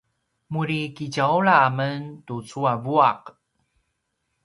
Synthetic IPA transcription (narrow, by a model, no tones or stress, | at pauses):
muɾikiɟauɭaaməntut͡suavuaq